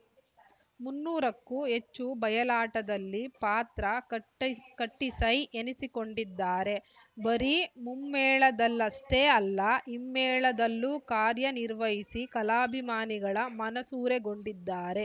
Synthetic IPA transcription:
munːuːɾɐkːuɦe̞t͡ʃːubɐjɐlaːʈɐd̪ɐlːipaːt̪ɾɐ | kɐʈːisɐjʔenisiko̞ɳɖid̪ːaːɾe̞ | bɐɾimumːɛːɭɐd̪ɐlːɐsʈeːɐlːɐʔimːɛːɭɐd̪ɐlːuːkaːɾjɐniɾʋɐɦisikɐlaːbʱimaːniɡɐɭɐmɐnɐsuːɾeɡo̞ɳɖid̪ːaːɾe̞

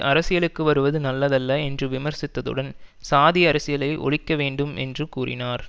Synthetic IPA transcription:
ʔɐɾɐsɪjɐɭɯkːɯʋɐɾɯʋɐðɯnɐlːɐðɐlːɐɛndrɯʋɪmɐɾsɪt̪ːɐðɯ̰ɽɐnsaːðɪjɐɾɐsɪjɐlɐɪʔɔ̰ɭɪkːɐʋeːɳɖɯmʔɛ̰ndrɯkuːrɪ̰naːɾ

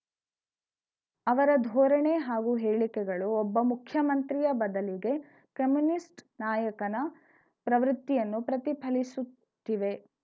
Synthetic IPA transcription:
ɐʋɐɾɐd̪ʱɔːɾɐɳeɦaːɡuɦeːɭikɛɡɐɭuɔbːɐmukʰjɐmɐnt̪ɾijɐbɐd̪ɐliɡe̞ | kɐmjunisʈnaːjɐkɐnɐ | pɾɐʋɾut̪ːijɐnːupɾɐt̪ipʰɐlisut̪ːiʋe̞

